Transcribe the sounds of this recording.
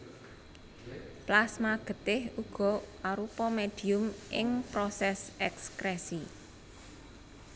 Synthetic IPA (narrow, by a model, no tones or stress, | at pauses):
plasmaɡ̥ə̤t̪ɪhuɡ̥ɔ̤aɾupɔmeɖ̥i̤ʊmʔɪŋpɾɔsɛsɛkskɾɛsi